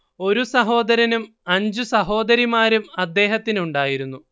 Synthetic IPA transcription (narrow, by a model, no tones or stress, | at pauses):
o̞ɾusɐɦo̞ːd̪ɐɾɐnum | ɐɲd͡ʑusɐɦo̞ːd̪ɐɾimaːɾumɐd̪ːe̞ːɦɐt̪ːinuɳɖaːjiɾunːu